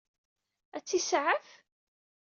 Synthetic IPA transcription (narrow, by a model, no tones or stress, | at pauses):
æt͡sːisʕəf